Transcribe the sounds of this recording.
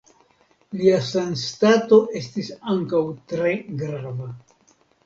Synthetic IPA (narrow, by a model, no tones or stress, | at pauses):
liasanstato̞ʔe̞stisaŋkawtɾe̞ɡɾava